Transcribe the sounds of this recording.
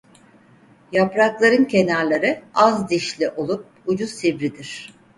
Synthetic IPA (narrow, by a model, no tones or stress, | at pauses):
japɾaklˠaɾɯncʰe̞naɾlʲˠaɾɯazd̪iʃlʲiʔo̞lˠup̚ud͡ʒusibɾid̪iɾ̝̥